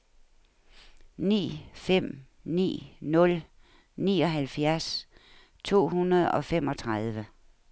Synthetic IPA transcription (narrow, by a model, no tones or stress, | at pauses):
nḭːfem̰ | nḭːnɔ̽l | nḭːɒ̽ɦælfjæɐs | t͡sʰo̝̰ːhunɐð̞̩ˠɒ̽fem̰ɒ̽t͡sʰʁað̞ˠʋə